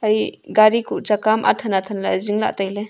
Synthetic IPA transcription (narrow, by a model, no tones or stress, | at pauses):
ɐjɡaɾikuʔt͡ʃakamʔa̰tʰanatʰɐnlaziŋla̰ʔtajle